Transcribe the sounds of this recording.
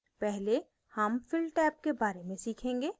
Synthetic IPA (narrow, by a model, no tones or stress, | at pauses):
pɛɦle | hɐmfɪlʈɛːp̚kebaːɾemẽsiːkʰẽːŋɡeː